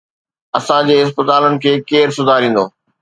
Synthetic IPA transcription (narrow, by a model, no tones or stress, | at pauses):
ɐsãd͡ʑeːɪspɪt̪aːlənɪ̆kʰeːkeːɾsʊd̪ʱaɾĩːn̆d̪oː